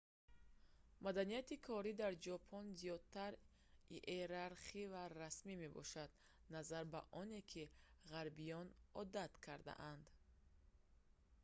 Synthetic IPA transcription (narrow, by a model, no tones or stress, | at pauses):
mad̪anijat̪ikʰɔɾid̪aɾd͡ʒɔpʰɔnzijɔd̪̚t̪ʰaɾ | iʔeɾaɾχivaɾasmime̞bɔ̰ʃad̪ | nazaɾba̰ʔɔne̞kʰiʁaɾbijɔnɔd̪at̪kʰaɾd̪a̰ʔand̪